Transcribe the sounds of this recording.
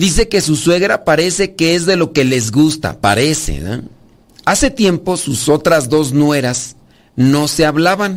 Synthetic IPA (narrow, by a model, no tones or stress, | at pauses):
d̪is̬e̞ke̞s̬uswe̞ɣɾapaɾe̞se̞keezðe̞lo̞ke̞le̞zɣust̪a̰pa̰ɾe̞sḛa̰ | ase̞t̪je̞mpo̞suso̞t̪ɾazðo̞znwe̞ɾas | no̞se̞aβlaβan